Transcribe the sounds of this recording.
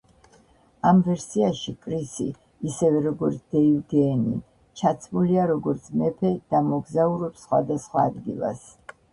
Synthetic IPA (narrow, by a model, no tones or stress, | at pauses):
amvɛɾsiaʃikʼɾisḭː | sɛvɛɾɔɡɔɾt̪sʰd̪̥ɛivɡɛnḭ | t͡ʃʰat̪sʰmuliaɾɔɡɔɾt̪sʰmɛpʰɛd̪̥amɔɡzauɾɔpsχwa̰d̪asχwaːd̪ɡḭlˠa̰s